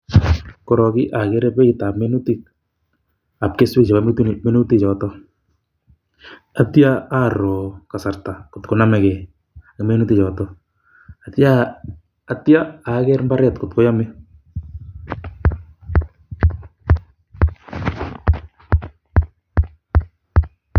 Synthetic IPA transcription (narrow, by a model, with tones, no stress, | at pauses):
ko˨ɾɔkɪ˦ʔakɛɾɛ˦pɛ˦itapmenu˦tit̚ | a˨p̚keswe˦kt͡ʃe˨bame˦tu˦nme˦nu˦ti˦t͡ʃɔ˨tɔ˦ | a˨tja˦a˦ɾɔ˨kasa˨rta˨ko˨tko˨namɛkɛ˨ | akme˦nu˦ti˦t͡ʃɔ˨tɔ | atjaː | tjaa˨kɛɾmbaɾɛtkotko˦jɔmɪ